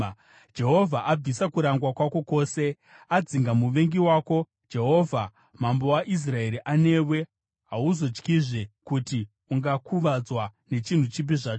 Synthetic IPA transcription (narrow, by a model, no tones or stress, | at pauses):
d͡ʒe̞ɦo̞vʱaʔab͡visakuɾaŋɡwakwako̞ko̞ːse̞ | ad͡ziŋɡamuʋe̞ŋɡiwaːko̞ | d͡ʒe̞ɦo̞ːvʱa | mambo̞waʔis̬rae̞ɾiʔane̞we̞ | ɦauzo̞d͡ʒkiʐe̞kuti | uŋɡakʰuʋad͡zwane̞t͡ʃin̤ut͡ʃip̬iʐaːt͡ʃo